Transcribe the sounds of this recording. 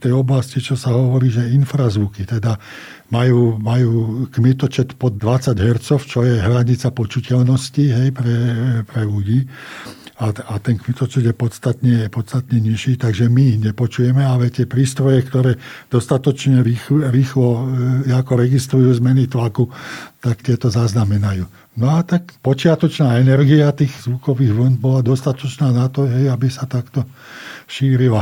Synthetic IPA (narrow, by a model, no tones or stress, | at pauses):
t̪ɛjɔblascit͡ʃɔsaɦɔʋɔɾiːʒɛinfɾazʋukit̪ɛd̪a | majuːmajuːkmɛt̪ɔt͡ʃɛt̪pɔd̪̚ːʋat͡saɟɦɛɾt͡sɔʊt͡ʃɔjɛɦɾaɲit͡sapɔt͡ʃucɛlnɔsciɦɛjpɾɛpɾɛluɟiː | aat̪ɛnkmit̪ɔt͡ʃɛd̪jɛpɔt̪st̪at̪ɲɛpɔt̪st̪at̪ɲɛɲiʃiːt̪aɡʒɛmiɦɲɛpɔt͡ʃujɛmɛalɛt̪ɪɛpɾiːst̪ɾɔjɛkt̪ɔɾɛːd̪̥ɔst̪at̪ɔt͡ʃɲɛɾiɾiːxlɔjakɔɾɛɡist̪ɾujuːzmɛnit̪lakut̪akt̪ɪɛt̪ɔzaznamɛnajuː | nɔat̪akpɔt͡ʃɪat̪ɔt͡ʃnaːɛnɛɾɡiat̪iːɣzʋukɔʋiːɣʋl̩nbɔlad̪ɔst̪at̪ɔt͡ʃnaːnat̪ɔɦɛjabisat̪akt̪ɔ | ʃiːɾila